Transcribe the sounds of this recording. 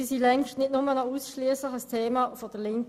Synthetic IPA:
isilɛŋʃtnɪtnʊmənauːsʃliəslɪxəstʰeːmaːfod̥əlɪŋk

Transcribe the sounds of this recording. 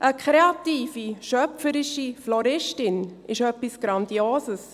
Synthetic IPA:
ʔəkʰχeɑt̪iːfiʃœpfəɾɪʃiflɔɾɪʃtɪnɪʃœpisɡ̥ɾɑnd̪ioːsəs

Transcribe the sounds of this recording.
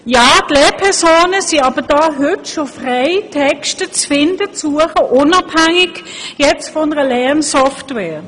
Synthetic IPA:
jaːtlɛːɐpʰɛɐsoːnəsiɑb̥əd̥ɑːɦʏtʃofʁeɪtʰɛkʃtət͡sfɪndət͡suəχəʔʊnɑbhɛŋɪɡ̥jɛt͡stfɔʊnəʁəlɛɐnsɔftvɛː

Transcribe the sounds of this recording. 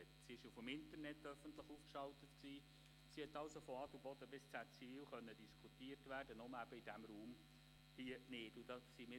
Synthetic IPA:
ɛtsiɪʃufəmɪntəɾnɛtːœfəntləχuːfkʃɑltətksiː | sihɛtːɑlsofɔɑdubɔd̥̪əbɪst͡sæt͡siviwχœnːədiskʰutiəɾtʋæːrd̥ənɔməæb̥əid̥æmɾuːm | hiənɪːdudɑsimɪ

